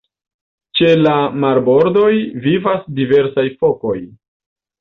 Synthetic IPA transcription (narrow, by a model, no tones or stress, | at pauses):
t͡ʃe̞lamaɾbo̞ɾdo̞jvivasdive̞ɾsajfo̞ko̞j